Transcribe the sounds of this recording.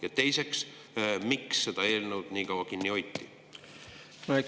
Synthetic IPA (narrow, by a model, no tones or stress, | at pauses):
jɑt̪e̞jse̞ks | miksːe̞d̪̥ɑe̞ːlnewd̪̥niːkɑwːɑkinʲːio̞jt̪ˑːi | noe